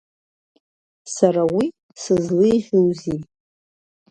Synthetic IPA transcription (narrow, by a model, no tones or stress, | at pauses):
saɾawi | sɨzlɨjʁʲuwzi